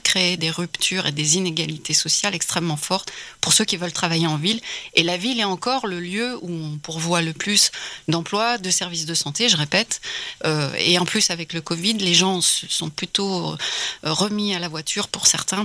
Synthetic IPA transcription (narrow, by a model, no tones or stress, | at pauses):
kχeːd̪eʁypt̪ʰyʁed̪ezineɡalit̪ʰesɔsjalɛkst̪χɛmːɑ̃fɔʁt̪puʁsøkʲivœlt̪χavajeɑ̃vilelavilɛɑ̃kɔʁləljøuɔ̃puʁvwaləplysd̪ɑ̃plwad̪əsɛʁvis̬d̪əsɑ̃t̪eʒəʁepɛt̪øḛɑ̃plysavɛkləkɔvid̪leʒɑ̃səsɔ̃plyt̪oøʁəmialavwat̪ʰyʁpuʁsɛʁt̪ɛ̃